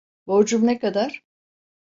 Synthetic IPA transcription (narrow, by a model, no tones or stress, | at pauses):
boɾd͡ʒumnekad̪aɾ̥